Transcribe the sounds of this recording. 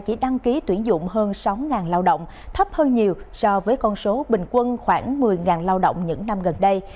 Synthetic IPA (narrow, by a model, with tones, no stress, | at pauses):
t͡ɕi˧˩ɗa˧ŋki˨˦t̪wi˧˩ənzʊ̰˧˨ŋ͡mɦəː˧nsa˨˦wŋaː˨˩nlaː˧wɗo̰˧˨wŋ͡m | t̪ʰə˦˥p̚həː˧nɲi˨˩əwsɔ˧vəː˨˦jkɔ˧nso˨˦ɓï˨˩ŋ̟kwə˧nxwaː˧˩ŋmɨ˨˩əjŋaː˨˩nlaː˧wɗo̰˧˨wŋ͡mɲɨ̰˧˥ŋna˧mɣə˨˩nɗə˧j